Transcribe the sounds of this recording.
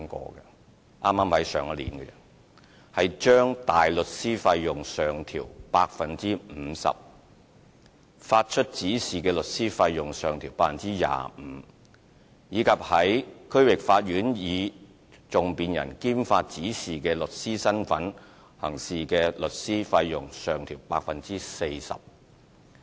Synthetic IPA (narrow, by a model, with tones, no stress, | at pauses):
ŋkɔ̰ː˧kɛ˧ | ʔaː˥mːaː˥mhɐ˨˥jsœ̰ː˨˧ŋɐ˧lḭː˨˩nkɛ˧jɐ˨˩n | hɐ˨jt͡ʃœː˥ŋt̪aː˨jlɵ˨t̚siː˥fɐ˧jːʊ˨ŋsœː˨ŋt̪ʰḭː˨˩wpaː˧k̚fɐ˨nt͡siː˥m̩ː˨˧˦sɐ̰˨p̚ | faː˧t̚t͡ʃʰɵ˥t̚t͡siː˨˥siː˨˩kɛː˧lɵ˨t̚siː˥fɐ˧jːʊ˨ŋsœː˨ŋt̪ʰiː˨˩wpaː˧˥fɐ˨˩nt͡siː˥ja̰ː˨˩m̩˨˧˦ | jiː˨˧kʰɐ˨˩p̚hɐ˨˥jkʰɵ˥ɥwɪ˨k̚faː˧t̚jyː˨˥njiː˨˧ | t͡sʊ˨ŋpiː˨njɐ̰˨˩nkiː˥mfaː˧t̚t͡siː˨˥siː˨kɛː˧lɵ˨˩t̚siː˥sɐ˥nfɐ˨˥n | hɐ˨˩ŋsiː˨kɛː˧lɵ˨t̚siː˥fɐ˧jːʊ˨ŋsœː˨ŋt̪ʰiː˨˩wpaː˧k̚fɐ˨nt͡siː˥se˧jsɐ̰˨p̚